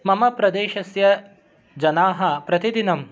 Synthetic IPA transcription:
mɐmɐpɾɐd̪eːʃɐsjɐ | d͡ʒɐnaːɦɐ̆pɾɐt̪id̪inɐm

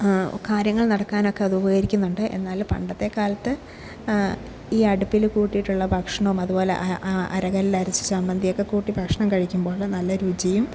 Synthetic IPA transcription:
kaːɾjɐŋːɐɭnɐɽɐkːaːno̞kːe̞ɐðɨubɐɣjɐɾikʲːunːuɳɖɨʔe̞̰nːaːlupɐ̰ɳɖɐt̪ːe̞kaːlɐt̪ːɨ | iːɐɽupːilkuːʈːijiʈːuɭːɐbʱɐkʂɐɳɐʋmɐðubo̞ːlḛʔʔʔɐ̰ɾɐɣɐlilɐɾisɨ̥sɐmbɐnd̪ʱijo̞kːe̞kuːʈːibʱɐkʂɐɳɐmkɐɻikʲːumbo̞ːɭɨnɐlːɐɾud͡ʑɐjum

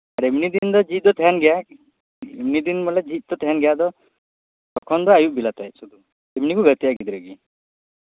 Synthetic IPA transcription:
aɾemnid̪ind̪ɔd͡ʒit̪̚ˀd̪ɔt̪ʰɛɦanɡɛja | emnid̪inmɔlɛd͡ʒit̪̚ˀd̪ɔt̪ʰɛɦanɡɛjaʔd̪ɔ | t̪ɔkʰɔnd̪ɔajuʔbilat̪ajsud̪u | emnikuɡət̪ijaɡid̪iɾəɡi

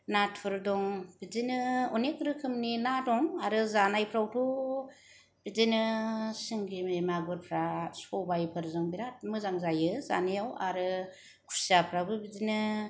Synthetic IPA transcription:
natpʰɯɾdɔŋb̥izinɯɔnekɾɯkʰɯmninatɔŋaɾɯzanajpʰɾawtʰu | b̥izinɯsɯŋɡimemaɡɯɾpʰɾasɔbajpʰɯɾzɯŋbinat̚mɯzaŋzajɯza̰nijawaɾɯ | kʰu̥ɾsiapʰɾawbɯbizinɯ

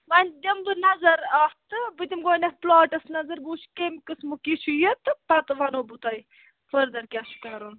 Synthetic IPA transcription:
ʋɐnʲd̪ʲɐmd̪ɨnɐzɐɾaft̪ɨbɨt̪ʲimɡoːnʲɐplaːʈɐsnɐzɐɾbuːʃkemʲkɨsmukiʃujɐt̪ɨpɐt̪ɨʋɐnoːbut̪aj | fɐɾd̪ɐɾkʲaʃkɐɾon

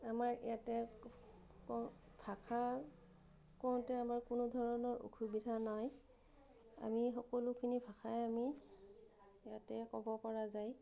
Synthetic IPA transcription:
amaɹɛ̰jatɛ | kɔ | bʱakʰa | kɔw̃tɛamaɹkʊnʊdʱɔɹɔnɔɹṵxʰubidʱanaj | a̰mixɔkɔlʊkʰinibʱaxʰajami | ɛjatɛkɔbɔpɔɹazaj

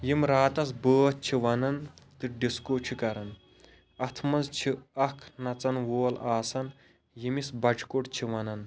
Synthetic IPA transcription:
jimɾaːt̪ɐsbəːt͡ʃʰiʋɐnɐnt̪ɨɖiskot͡ʃʰikɐɾɐn | ɐt̪ʰmɐzt͡ʃʰiɐkʰnɐt͡sɐnʋoːlaːsɐn | jimisbɐd͡ʒʰkoʈt͡ʃʰiʋɐnɐn

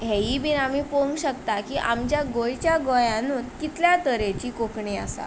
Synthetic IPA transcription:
ɦeɦibinamiːpomɕəkt̪akiːʔamt͡ɕjaɡojt͡ɕjaɡojãnuːt̪kit̪ljat̪əɾet͡ɕiːkokɳia̰sa̰

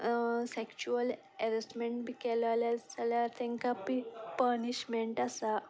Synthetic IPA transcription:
sekt͡ɕuəl | ɛɾəsʈmeɳʈbikɛlalasalaɾt̪ʰẽŋkapipəɾniɕmeɳʈasa

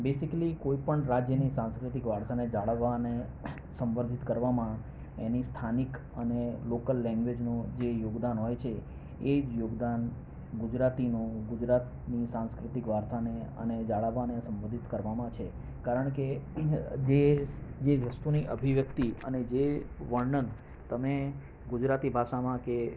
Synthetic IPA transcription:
besikəlikoipəɳɾad͡ʒjənisãnskɾɪt̪ikʋaɽsaned͡ʒaɭaʋane | sə̃mʋənd̪ʱit̪kəɾʋamã | enist̪ʰanik | ənelokəlːɛ̃ŋɡʋed͡ʒnũd͡ʒejoɡd̪anɦɔjt͡ʃʰeː | d͡ʒjoɡd̪an | ɡʊd͡ʒɾat̪inũɡud͡ʒɾat̪ | nisãnskɾɪt̪ikʋaɾsaneə̰ned͡ʒaɭaʋanesə̃mʋəd̪ʱit̪kəɾʋamãt͡ʃʰe | kaɾəɳ̃ke | d͡ʒed͡ʒeʋəst̪uniʔə̰bʱiʋjək̚t̪iə̰ned͡ʒeʋəɳɳən | t̪əme | ɡud͡ʒɾat̪ibʱaʃamãke

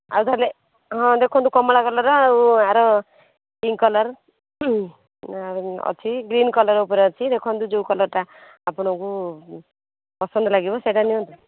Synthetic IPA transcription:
a̰ut̪ale | ɦɔ̃d̪ekʰɔnt̪ukɔmɔɭakɔlɔɾɔauaɾɔ | ʈiŋkɔlɔɾ | ɔ̰t͡ʃʰiɡɾinkɔlɔɾupɔɾet͡ʃʰid̪ekʰɔ̃nt̪ud͡ʒewkɔlɔɾʈ̪aː | pɔɽ̃ɔku | pɔsɔnd̪ɔlaɡibɔseʈaniɦɔ̃nt̪u

